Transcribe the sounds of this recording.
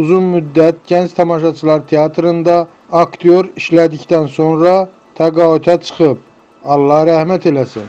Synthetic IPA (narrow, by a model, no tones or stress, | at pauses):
uzunmyd̪ːæt̪̚ɟænt͡ʃt̪ʰɑmɑʃɑt͡ʃʰɯlˠɑɾt̪ʰeɑt̪ʰɾɯnd̪ɑː | kt̪ʰijo̞ɾiʃlæd̪ict̪ænso̞nɾɑ | t̪ʰæɡɑːyt̪ʰæt͡ʃʰɯ̥χɯp̚ | ɑlˠːɑhɾæhmæt̪ʰe̞læsḭn